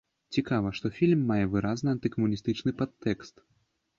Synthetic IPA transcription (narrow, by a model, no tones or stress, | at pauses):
t͡sʲikavɐʂt̪ɔfʲilʲmːajɛvɨɾaznɨɐnt̪ɨkɐmunʲist̪ɨt͡ʂnɨpat̪ːɛkst̪